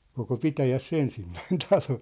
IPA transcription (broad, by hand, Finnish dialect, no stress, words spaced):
koko pitæjæsː ensimːæin tɑlo